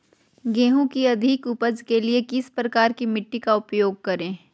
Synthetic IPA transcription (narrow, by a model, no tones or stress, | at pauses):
ɡẽːɦũkiɐd̪ʱɪkʊpəd͡ʒkeliekɪspɾɐkaːɾkimɪʈːikaʊpjoːɡ̚kɐɾẽː